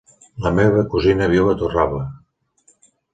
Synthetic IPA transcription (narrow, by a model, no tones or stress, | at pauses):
ləmeβəkuzinəβ̞iwət̪uraβlə